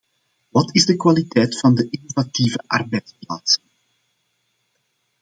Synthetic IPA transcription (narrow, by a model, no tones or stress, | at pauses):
ʋɑtɪzdəkwalitɛjtfɑndəʔɪnovatiːvəʔɑ̰rbɛjtsplaːtsən